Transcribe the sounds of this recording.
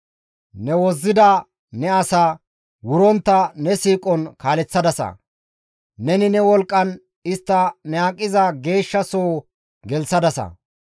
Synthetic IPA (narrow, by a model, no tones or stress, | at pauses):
nɛwɔzːɪd̪ɐ | nɛɐsɐ | wʊɾɔnt̪ːɐnɛsiːkʼɔnkaːlɛt͡sːɐd̪ɐsɐ̰ | nɛnɪnɛwɔlkʼːɐn | ɪst̪ːɐnɛaːkʼːɪzɐɡe̞ːʃːɐsoː | ɡɛlsɐd̪ɐsɐ̰